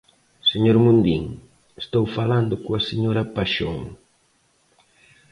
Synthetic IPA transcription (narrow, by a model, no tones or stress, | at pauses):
seɲoɾmũnd̪iŋ | est̪owfaland̪ʊkoaseɲoɾɐpaʃo̰ŋ